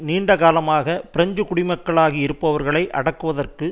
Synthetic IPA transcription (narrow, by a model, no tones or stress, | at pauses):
niːɳɖɐɣaːlɐmaːɣɐpɪɾɐɲd͡ʒɯkʊɽɪmɐkːɐɭaːɣiɪɾɯpːɐʋɐɾɣɐɭɐɪʔɐɽɐkːɯʋɐðɐrkɯ